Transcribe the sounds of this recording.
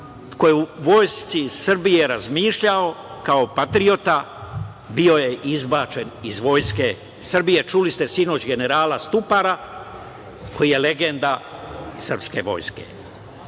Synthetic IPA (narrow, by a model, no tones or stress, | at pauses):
ko̞jeuʋo̞jst̪sisr̩bijeɾazmiːʃʎao̞kao̞pat̪ɾio̞t̪a | bio̞je̞ʔizbat͡ʃe̞nizʋo̞ːjske̞ | sr̩bije̞t͡ʃulist̪e̞sino̞t͡ʃɡe̞ne̞ɾaːlast̪upaɾa | ko̞jije̞le̞ɡe̞nd̪asr̩pske̞̰ʋo̞̰jske̞̰